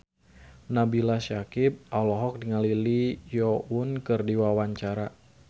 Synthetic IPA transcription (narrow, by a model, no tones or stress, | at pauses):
nabilasakip̚ʔalɔɦɔk̚diŋalilijɔunkɨrdiwawaɲt͡ʃaɾa